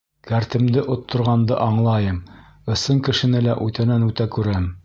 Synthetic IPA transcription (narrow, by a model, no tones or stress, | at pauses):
kæɾt̪ɘ̆md̪ɘʔot̪ʰːŏɾʁɑnd̪ɤ̰ʔɑɴlˠɑjɤm | ɤ̆sɤŋkɘ̆ʃɘ̆nɘlæʔʉt̪ænænʉt̪ækʉɾæm